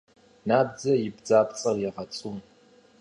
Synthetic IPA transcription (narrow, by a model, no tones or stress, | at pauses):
naːbd͡zɐjɪbd͡zaːpʰʼt͡sʼɐrjɛʁɐt͡sʼun